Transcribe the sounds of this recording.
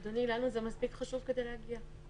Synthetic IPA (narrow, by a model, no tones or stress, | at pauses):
d̪onilanuzemaspikχaʃuvke̞d̪ejlehaɡia